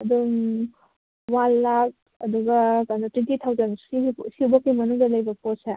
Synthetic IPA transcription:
ɐduŋ | wanlak̚ | ɐd̪uɡɐkanatwentit̪ʰawzɐnsisibɐkːimɐnuŋdɐlɐjbɐpotse

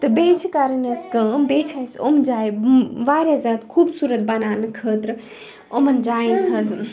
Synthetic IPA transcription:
t̪ɨbeːt͡ʃʰikaːɾəneskəːmbeːt͡ʃʰajso̰md͡ʒaːjʋaːɾʲjazad̪kʰuːbsuːɾət̪̚bɐnaːnɨkʰəːt̪ɾ | omɐnd͡ʒaːjinɦɐz

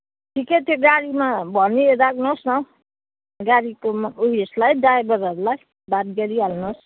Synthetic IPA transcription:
ʈʰiket̪joɡaɾimabʱʌniedaknosnʌ | ɡaɾikomuɦslajdaebʌɾʌɾulaj | bad̪̚ɡʌɾialnos

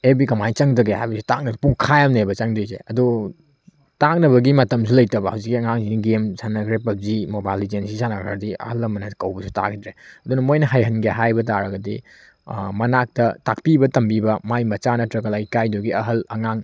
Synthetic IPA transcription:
ebikɐmajt͡ʃɐŋdɐɡehajbɐsi̥tak̚nɐspuŋkʰajamnebɐt͡ʃɐŋdizḛɐdu | tak̚nɐβɐɡimɐtɐmsulɐjtɐbɐhawzikːiɐŋaŋziniɡemsʰanakɾepɐp̚zimobajlid͡ʒensisanakʰɾa̰ɾdiɐ̰hɐlɐmɐnɐkɐwbɐsʰu̥ta̰kʰitɾeɐdunɐmojnɐɦajɦɐnɡeɦajbɐt̬aɾɐɡɐdḭ | mɐnak̚tɐtak̚pibɐtɐmbibɐmajmɐt͡ʃanɐtɾɐkɐlajkajduɡiɐɦɐlɐŋaŋ

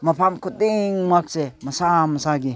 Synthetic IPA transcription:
mapʰamkut̚iŋmak̚semɐsamɐsaɡi

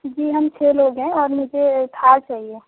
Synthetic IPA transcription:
d͡ʒiːɦɐmt͡ʃʰeloːɡɦɛ̃ɔːɾmʊd͡ʒʱet̪ʰat͡ʃaːɦie

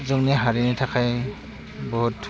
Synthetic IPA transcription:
zɔmniɦaɹinitʰakʰaj | bɔɦut

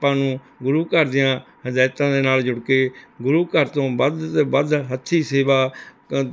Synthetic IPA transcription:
pãːnũː | ɡʊɾuːkəɾd̪ɪjãː | həd͡ʒaːt̪ãːd̪eːnaːld͡ʒʊɽkeːɡʊɾuːkəɾt̪õːbəd̪t̪eːbəd̪ɦət̪ːʃʰiːseːʋaː

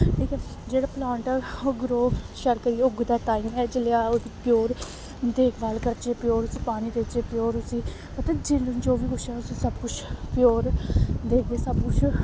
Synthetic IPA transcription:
ʈʰiːkɛːd͡ʒeːɽaːplãːɳʈɛoɡɾoːʃəɾkəɾieʊɡd̪aːʈaːiːmɛːd͡ʒɪlejaːod̪iːpɪjoːɾ | d̪eːkʰʋaːlkəɾt͡ʃeːpɪjoːɾʊsiːpaːniːd̪eːt͡ʃeːpɪjoːɾʊsiː | pət̪ɛ̃d͡ʒɪlnd͡ʒoːʋiːkʊt͡ʃʰɛːʊsiːsəbkʊt͡ʃʰpɪjoːɾd̪eːkeːsəbkʊt͡ʃʰ

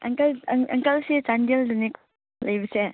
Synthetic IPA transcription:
ɐ̰ŋkɐlɐŋkɐlset͡ʃandieldunik | lɐjbɐse

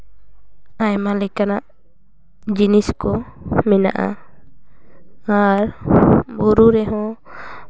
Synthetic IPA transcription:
ajmalɛkanaʔ | d͡ʒiniskɔ | mɛna̰ʔa̰ | aɾbuɾuɾɛɦɔ̃

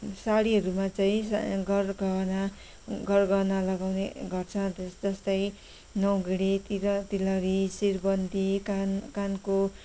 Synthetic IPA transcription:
saɽiɦʌɾumat͡saĩsɡʌrɡʌna | ɡʌrɡʌwnalʌɡawneɡʌrt͡sʰʌt̪sd͡zʌst̪ʌj | nʌwɡiɽet̪iɾʌt̪ilʌɾisirbʌnd̪ʱikankanko

